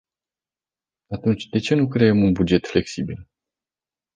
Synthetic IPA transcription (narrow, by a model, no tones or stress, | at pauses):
at̪unt͡ʃʲd̪e̞t͡ʃe̞nukɾe̞emunbud͡ʒe̞t̪fle̞ksibil